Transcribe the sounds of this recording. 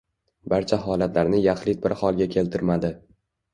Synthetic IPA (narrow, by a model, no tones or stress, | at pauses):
baɾt͡ʃʰaɦɒlat̪laɾnɪjaχlɪt̪̚bɪɾhɒlˠɡʲakʲʰe̞lt̪ʰɪɾmad̪ɪ